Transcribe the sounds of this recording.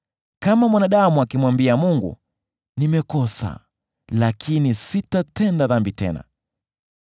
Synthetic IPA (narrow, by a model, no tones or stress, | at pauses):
kamamwanaɗamuakimwambiamuŋɡṵ | nimɛkɔsa̰ | lakʰinisitatɛndaðambitɛ̰na̰